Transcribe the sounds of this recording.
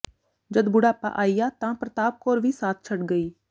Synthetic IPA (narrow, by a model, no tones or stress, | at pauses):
d͡ʒəd̪bʊɽaːpã̰ːʔaːiːjaːt̪ãːpɾət̪aːp̚koːɾʋiːsaːt̪̚ʰt͡ʃʰəʈɡəiː